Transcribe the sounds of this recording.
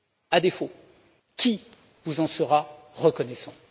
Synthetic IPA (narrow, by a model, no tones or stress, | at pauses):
ad̪efo | kʲi | vuzɑ̃səʁa | ʁəkɔnɛsɑ̃